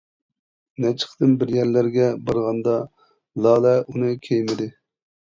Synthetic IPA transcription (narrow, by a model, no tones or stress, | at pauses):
nɛt͡ʃʰə̥χd̪ɨnbɪɾjɛɾlæɾɡʲɛbɑɾʁɑnd̪ɑ | lˠɑːlɛʔunɨkʲʰejmɪd̪ɪ